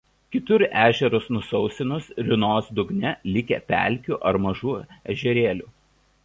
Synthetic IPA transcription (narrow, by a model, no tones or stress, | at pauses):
kʲɪt̪ʊɾæːʒʲɛɾʊsnʊsɒʊsʲɪnʊsɾʲɪnoːsd̪ʊɡnʲɛlʲɪkʲɛ̰ːpʲæ̰ˑlʲˑkʲuʔɐɾmɐʒuːɛ̰ʒʲɛɾʲeːlʲuː